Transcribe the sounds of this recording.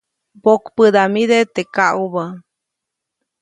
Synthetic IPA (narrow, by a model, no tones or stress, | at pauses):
bokpəd̪amid̪et̪ekaʔuβə